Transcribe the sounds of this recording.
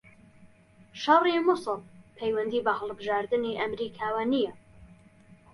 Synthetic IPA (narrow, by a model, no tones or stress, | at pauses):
ʃɑrimʊsɨlpʰejwɐnd̪iːbɐhɐlˠbɨʒaːɾd̪ɨniːʔɐmɾikʰaːwanijɛ